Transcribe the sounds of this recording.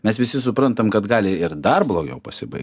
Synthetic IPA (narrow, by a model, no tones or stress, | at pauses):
mʲɛsʋʲɪsʲɪsʊpɾɐnt̪ɐmkɐt̪ɡɑːlʲɪɪɾd̪ɐrblˠoːɡʲɛʊpɐsʲɪbɐ̰ɪkʲ